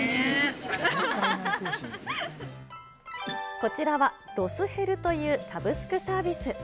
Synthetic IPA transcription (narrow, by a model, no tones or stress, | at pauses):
ko̞t͡ɕiɾaβaɾo̞sɨhe̞ɾɯ̟t̪o̞jɯ̟ːsabɯ̟sɨ̥kɯ̟saːbʲisɨ